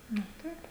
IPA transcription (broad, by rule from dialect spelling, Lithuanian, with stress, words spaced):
ˈnʊ ˈtɐɪp